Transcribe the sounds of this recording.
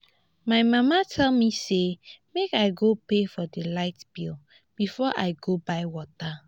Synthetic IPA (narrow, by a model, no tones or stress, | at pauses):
majmamatʰɛlmisemekaɪɡopefɔdilaɪtbil | b̥ifɔʔajɡobajwɔta